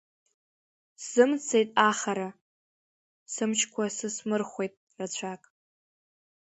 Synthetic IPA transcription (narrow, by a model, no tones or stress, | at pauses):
sz̥ɨmt͡sʰe̞jtʼaχaɾa | sɨmt͡ʃʰkʷʰasɨsmɨrχʷe̞jtʼ | rat͡ɕʷʰakʼ